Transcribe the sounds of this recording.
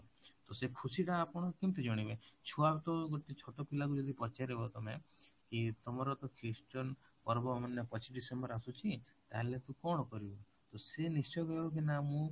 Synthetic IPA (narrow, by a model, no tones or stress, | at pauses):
t̪osekʰusiʈaːpɔɽ̃ɔkimt̪ed͡ʒɔɽ̃ibet͡ʃʰuabt̪ɔɡoʈit͡ʃʰoʈɔpilak̬ud͡ʒɔd̪ʱipɔt͡ʃaɾebɔt̪ɔmekit̪ɔmɔɾɔt̪ɔkʰɾisʈɔnpɔɾbɔmanjɔpɔt͡ʃiɖisembɔɾasut͡ʃʰi | t̪a̰ɦelet̪ũkɔɽ̃ɔkɔɾibɔ | t̪osenist͡ʃɔjɔkɔjbɔk̬inamũ